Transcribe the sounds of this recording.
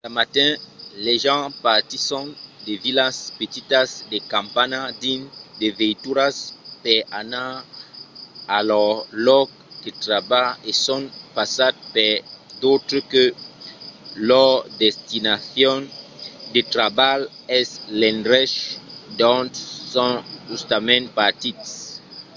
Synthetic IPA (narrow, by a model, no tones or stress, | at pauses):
amatɛ̃lɛʒɑ̃pat̪isɔ̃devilaspet̪itasdekãmpanadind̪eveituɾaspɛana | alɔlɔk̚ | d̥etɾabaesɔ̃npasad̪̚pɛd̪ot̪ɾəkø | lɔd̪ɛst̪inaθjɔ̃nd̪et̪ɾabal | ɛslɛ̃ndʁɛʃd̪ɔ̃ntsɔ̃ʒust̪amɛ̃npat̪it̪